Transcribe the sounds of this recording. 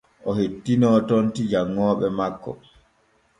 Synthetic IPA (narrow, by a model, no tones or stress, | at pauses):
ʔɔhetːinɔːtontid͡ʒaŋːɔːɓɛmakːɔ̰